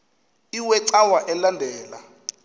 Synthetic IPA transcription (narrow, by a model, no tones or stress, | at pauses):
iwɛǀawaʔɛlandʱɛːla̰